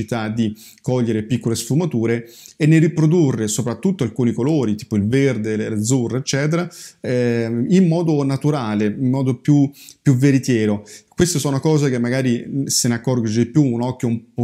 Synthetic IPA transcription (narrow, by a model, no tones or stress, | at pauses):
it̪ad̪i | kɔʎːeɾepikːolesfumat̪uːɾeːnːeripɾod̪urːesopɾat̪ːut̪ːoalkuːnikoloːɾit̪iːpoilverd̪elelad̪zurːeet͡ʃːɛːt̪eɾaɛimːɔːd̪onat̪uɾaːleimːɔːd̪opjupjuveɾit̪jɛːɾokwest̪esɔːnokɔːzekemːaɡaːɾisenakːɔrɡod͡ʒd̪ipjuːnɔkːjoump